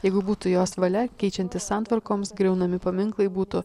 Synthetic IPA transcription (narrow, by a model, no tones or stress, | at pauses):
jɛɪɡʊbuːt̪ʊjoːsʋɐlʲɛkʲɛɪt͡ʃʲɛnʲt̪ʲɪssɑːˑnt̪ʋɐɾkoːmsɡɾʲɛʊnɐmʲɪpɐmʲɪŋklˠɐɪbuːt̪ʊ